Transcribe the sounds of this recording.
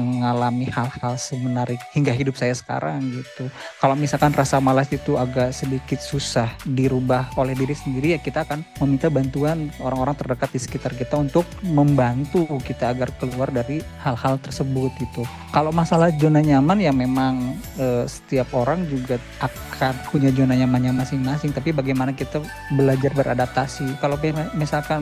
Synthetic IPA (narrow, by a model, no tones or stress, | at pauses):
əŋalamihalhalsəmənaɾɪk̚hiŋɡaɦidʊp̚sajasə̥ka̰ɾaŋɡit̪ukalomisalkanrasamalasit̪uaɡaʔsədikɪt̪̚susahdiɾubaholɛhdiɾisəndiɾijakit̪aːkanməmint̪abant̪uanoɾaŋoɾaŋt̪ərdəkat̪̚disə̥kit̪arkit̪aunt̪ʊk̚məmbant̪ukit̪aːɡarkəluardaɾihalhalt̪ərsəbʊt̪̚it̪u | kalomasalahd͡ʒonaɲamanjaŋmemaŋəːsə̥t̪iap̚oɾaŋd͡ʒuɡa | ʔakʰanpuɲad͡ʒonaɲamanɲamasɪŋmasɪŋt̪apibaɡajmanakit̪a | bəlad͡ʒarbəɾʔa̰dap̚t̪asikalokiamisalkan